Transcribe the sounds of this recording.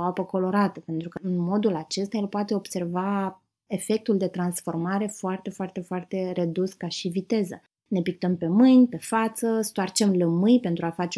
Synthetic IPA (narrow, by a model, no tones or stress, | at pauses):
apəko̞lo̞ɾat̪əpe̞nt̪ɾukəɨnmo̞d̪ulat͡ʃe̞st̪ajelpoat̪e̞o̞b̥se̞rva | efe̞k̚t̪uld̪e̞t̪ɾansfo̞rmaɾe̞foart̪e̞foart̪e̞foart̪e̞re̞d̪uskaʃivit̪e̞zə | ne̞pik̚t̪əmpe̞mɨnʲpe̞fat̪səst̪oart͡ʃe̞mləmɨjpe̞nt̪ɾuafat͡ʃe